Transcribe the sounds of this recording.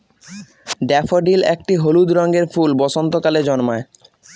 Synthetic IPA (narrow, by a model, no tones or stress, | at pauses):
ɖɛfoɖilɛ̰k̚ʈiɦolud̪ɾɔŋɡeɾfulbɔsont̪okaled͡ʑɔnmae